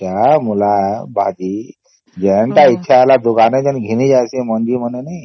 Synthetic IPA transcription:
amulabʱad͡ʑi | d͡ʑɛɳʈ̪aitːɕʰaːlad̪uɡaned͡ʑɛnɡʱinid͡ʑasẽməɳd͡ʑiːm̤ənenaj

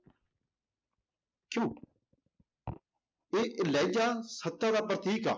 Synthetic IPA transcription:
kjõː | eːʔɪlaːɪd͡ʒaːsət̪ːad̪aːpɾət̪iːka̰ː

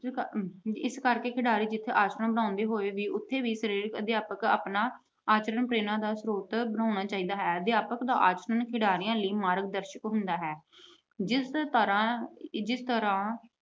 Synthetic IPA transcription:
ɪskəɾkeːkʰɪɽaːɾiːd͡ʒɪt̪ʰːeːʔaːt͡ʃɾəãːbənãːʊ̃nd̪eːɦoːeːʋiːʔʊt̪ʰːeːʋiːsəɾiːɾkəd̪jaːpəka̰ːpnaː | aːt͡ʃɾənpɾeːnãːd̪aːsɾoːt̪bənãːʊnaːt͡ʃaːiːd̪aːɦɛːəd̪ɪjaːpəkd̪a̰ːʔaːt͡ʃɾənkʰɪɽaːɾɪjãːliːmaːɾɡ̚d̪əɾʃəkɦʊnd̪aːɦɛː | d͡ʒɪst̪əɾãːd͡ʒɪst̪əɾãː

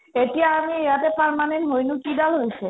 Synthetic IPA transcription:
etijaamieat̪epaɾmanenɦojnukid̪alɦojt͡ɕʰe

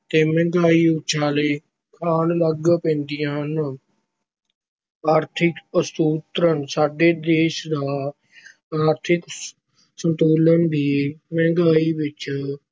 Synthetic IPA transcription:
t̪eːmɛ̃ːŋɡaːiːʊːt͡ʃʃʰaːleː | kʰaːnləɡpɛ̃ːnd̪ɪjãːn | aːɾt̪ʰɪkəst̪uːt̪ɾənsaːɖeːd̪eːʃd̪aː | aːɾt̪ʰɪk | sənt̪oːlənd̪iːmɛ̃ːŋɡaːiːʋɪt͡ʃ

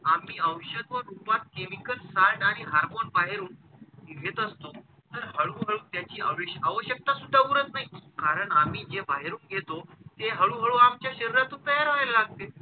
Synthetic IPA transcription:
am̤iːəwɕəd̪ʋənupat̪̚kemikəlsaɾɳaɽ̃iɦaɾmonbaɦeɾuːnʋʱet̪əst̪o | t̪əɾɦəɭũɦəɭuːt̪jat͡ɕiːa̰ʋeɕaʋəɕjək̚t̪asud̪ʱːaʋuɾət̪naɦikaɾəɳam̤iːd͡ʑebaɦeɾuːŋkjet̪ot̪eɦəɭuɦəɭuamt͡ɕjaɕəɾiɾat̪uːp̪əɦaɾaallaɡ̚t̪e

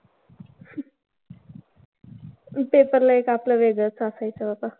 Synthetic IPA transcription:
pepəɾlaekapləʋeɡət͡sasajt͡sʰəbapa

